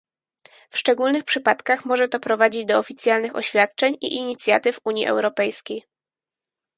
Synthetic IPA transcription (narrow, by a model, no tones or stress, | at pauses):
fʂt͡ʂɛɡulnɘxpʂɘpat̪kaxmɔʐɛt̪ɔpɾɔvad͡ʑid͡ʑd̪ɔɔfʲit̪sʲjalnɘxɔ̰ɕfʲat̪t͡ʂɛɲḭʔiɲit̪sʲjat̪ɘfuɲjḭʔɛ̰wɾɔpɛjskʲej